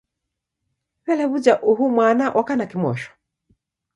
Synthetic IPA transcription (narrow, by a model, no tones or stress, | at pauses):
wɛlɛβud͡ʒaʔuɦumwanaʔakanakimwɔ̰ʃɔ̥